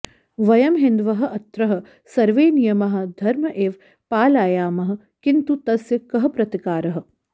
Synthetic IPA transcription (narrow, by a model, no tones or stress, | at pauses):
ʋɐjɐmɦɪnd̪ʋɐɦɐ̆ɐt̪ɾɐɦɐ̆ | sɐɾʋeːnijɐmɐɦɐ̆d̪ʱɐɾmɐʔeːʋ | paːlaːjaːmɐɦɐ̆ | kint̪ut̪ɐsjɐkɐɦɐpɾɐt̪ikaːɾɐɦɐ̆